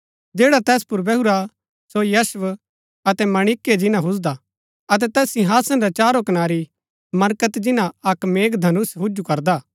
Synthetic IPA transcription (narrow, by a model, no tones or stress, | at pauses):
d͡ʒeːɽat̪ɛːspʊɾbɛɦuɾa | sojɐsʋ | ɐt̪ɛmɐɽ̃ɪkːed͡ʒɪnãɦʊs̬d̪a | ɐt̪̬ɛt̪ɛːsĩɦaːsənɾat͡ʃaːɾokɐnaːɾi | mɐɾkət̪d͡ʒɪnãɐkmeːɡd̪ʱɐnʊsɦʊd͡ʒukɐɾd̪aː